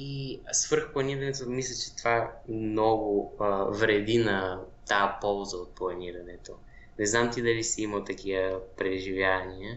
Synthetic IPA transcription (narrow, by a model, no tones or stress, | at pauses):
isv̥ɤɾxplˠɐniɾɐnɛt̪omislʲət͡ʃɛ̥t̪ovanɔɡʊvɾɛd̪inɐt̪apɔlˠzəot̪̚plˠɐniɾɐnɛt̪o | nɛznamt̪id̪ɐlisɛimɐlˠt̪ɐk̟ijəpɾɛʒivjavɐnijə